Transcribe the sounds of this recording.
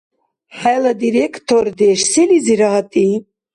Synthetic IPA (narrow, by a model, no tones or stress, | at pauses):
haləd̪iɾekt̪oɾd̪eʃsiliziɾɑat̪i